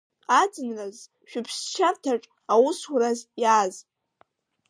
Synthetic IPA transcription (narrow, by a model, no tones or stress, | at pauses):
ad͡zɨnraz | ʃᶣʊpʰst͡ʃʰartʰaʈ͡ʂʼ | awʊswɾazjaːz